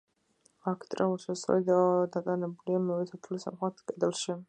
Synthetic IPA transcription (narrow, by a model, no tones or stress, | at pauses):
akʰt̪ʼɾauʃɛsɔ̰lid̪ad̪at̪ʼanɛbuliamɛvɛt̪ʰat̪ʰulisa̰mχat̪ʰkʼɛd̪ɛlˠʃi